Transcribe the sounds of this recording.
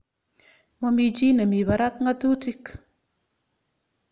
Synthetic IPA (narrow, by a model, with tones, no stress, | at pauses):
mɔ˦mi˧t͡ʃi˦na˨mi˨ba˨ɾa˦t̪̚ŋa˦t̪u˦ti˦k